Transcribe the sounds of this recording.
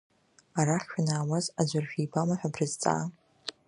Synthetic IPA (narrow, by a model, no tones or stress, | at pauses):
aɾaχʲʃᶣanaːwazad͡ʒʷarʒᶣijbamaħʷᶣabrɨzt͡sʼa̰ː